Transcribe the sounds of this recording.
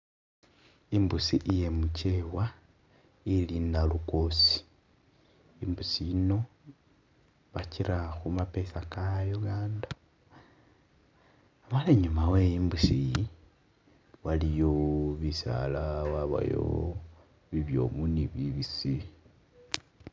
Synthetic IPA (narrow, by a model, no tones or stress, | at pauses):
imbusiʔije̞muce̞wa | ilinalukosi̥ | imbusijino̞ | βaciɾaxumape̞sakajuɡaːnda | maleɲumawejimbusii | walijoβisa̰lawaβa̰jo̰ | βiβjo̞̰muniβiβisi